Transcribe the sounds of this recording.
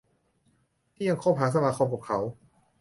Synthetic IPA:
t̪ʰiː˥˩ja˧ŋkʰɔː˥˩p̚ɦaː˨˦˥s̬a˧maː˧˩kʰɔː˧p̚kaː˨˩p̚kʰa˩˦˥w

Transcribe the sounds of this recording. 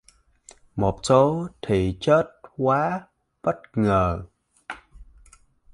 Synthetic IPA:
mo˨˩t̚so˨˦t̪ʰi˨˩t͡ɕəː˦˥t̚kwaː˨˦ | ɓə˦˥t̚ŋəː˨˩

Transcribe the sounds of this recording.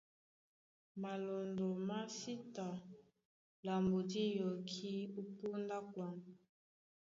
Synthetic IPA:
ma˨lo˨ndo˨ma˦si˦ta˨ | la˨mbo˨di˦jo˨kʰi˦u˦pu˦nda˦kwa˦n

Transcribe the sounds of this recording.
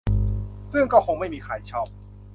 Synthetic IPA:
sɯ˥˩ŋkɔː˥˩kʰo˧˥ŋma˥˩jmiː˧kʰaː˨˧˩jt͡ɕʰɔ˥˩p̚

